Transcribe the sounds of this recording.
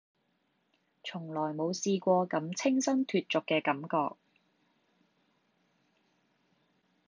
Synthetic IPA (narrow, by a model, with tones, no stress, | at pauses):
t͡sʰʊ˨˩ŋlɔː˨˩jmo˨˧wsiː˧kʷɔː˧kɐ˨˥mt͡sʰɪ˥ŋsɐ˥nt̪ʰyː˨t̚t͡sʊ˨kːɛː˧kɐ˨˥mkɔ̰ː˧k̚